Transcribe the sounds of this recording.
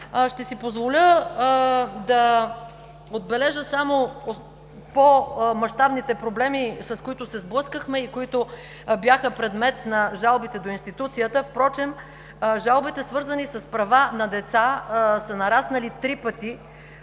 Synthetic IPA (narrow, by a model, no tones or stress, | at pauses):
ʃt̪ɛsipozvolʲə | d̪ɐ | od̪̚bɛlɛʒəsamo | pomɐʃt̪abnit̪ɛpɾoblɛmisɐskoit̪ʊsɛzblˠɤskəxmɛikoit̪o | bjaxəpɾɛd̪mɛt̪nɐʒalˠbit̪ɛd̪oinst̪it̪ut̪sijət̪əfpɾɔt͡ʃɛm | ʒalˠbit̪ɛsvɤɾzənisəspɾɐvanɐd̪ɛt̪sasɐnɐɾasnəlit̪ɾipət̪i